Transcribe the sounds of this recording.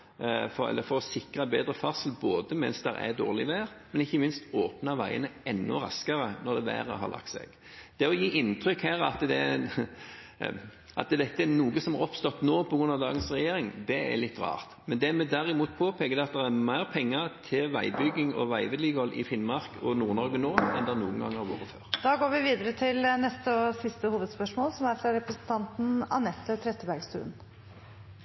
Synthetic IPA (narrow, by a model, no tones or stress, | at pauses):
fɔɾɛ̰lːəfɔɾɔsɪkɾɑbeːd̪ɾəfɑʁsəl̩boːd̪əmɛnsd̪ɛɾɛ̰d̪o̰ːʁlɪʋæːɾmɛnɪçːəmɪnst̪oːpnɑʋæɪənəɛnːʊ̰ɾɑ̰skəɾənɔɾd̪ɛʋæ̰ːɾə̰ɦɑ̰ɾlʔɑ̰kt̪sɛ̰ɡ̥ | d̪̥ɛɔjiːʔɪnt̪ɾʏkhæːɾɑ̰t̪d̪ɛ | ʔɑ̰t̪d̪ɛt̪ːəænuːɡəsɔmhɑɾɔpst̪ɔt̪ːnoːpʰɔɡɾʉnːɑʋd̪ɑːɡənsʁɛjeːɾɪŋd̪ɛæ̰lɪt̪ːʁɑ̰ːʁt̪mɛnd̪ɛmɛd̪æɾɪmuːt̪̚pʰoːpʰeːkəd̪ɛɑt̪̚d̪ɛɾæɾmæɪʁpʰɛŋːət̪ʰɪlʋæɪbʏɡːɪŋɔ̰ʋæɪʋəd̪liɡhɔlːʔɪ̰fɪnːmɑʁkɔnuːɾnɔɾɡənoːɛnd̪ɛɛɾnṵːənɡɑ̰ŋːæɾʋo̰ːʁəfø̰ːʁd̪̥ɑːɡoːɾʋɪʋiːd̪əɾət̪ʰɪlnɛst̪əsɪst̪əhuːʋəd̪spœʂmoːlsɔmæɾfɾɑɾɛpɾəsn̩t̪ʰɑnt̪n̩ɑ̰nɛt̪ːət̪ʰɾɛt̪ːəbæɾɡst̪ʉ̰ːn